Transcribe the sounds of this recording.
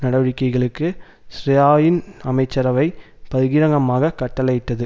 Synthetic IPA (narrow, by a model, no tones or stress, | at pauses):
nɐɽɐʋɐɻɪkːɐɪɣɐɭɯkːɯ | sɾɪjaːjɪnɐmɐɪt͡ʃːɐɾɐʋɐɪ | pɐðɯɣɪɾɐŋɡɐmaːɣɐkːɐʈːɐlɐɪʈ̪ːɐðɯ